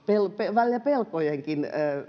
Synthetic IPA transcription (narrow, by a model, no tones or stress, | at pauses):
pelpeʋælʲjæpelkojeŋkinː